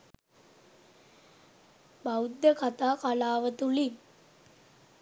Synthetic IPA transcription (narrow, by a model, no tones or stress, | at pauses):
bawd̪ːəkat̪aːkalaːʋət̪uli